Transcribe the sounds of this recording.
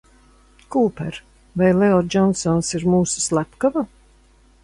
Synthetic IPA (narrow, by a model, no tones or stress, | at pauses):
kuːpɛɾ | vajleɔd͡ʒɔnsɔnsiɾmuːsu̥slæpkava